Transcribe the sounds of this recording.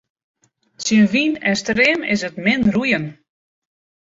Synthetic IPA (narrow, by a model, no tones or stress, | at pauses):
sənʋinɛnstɾɪːmɪ̰sətmɪnrujən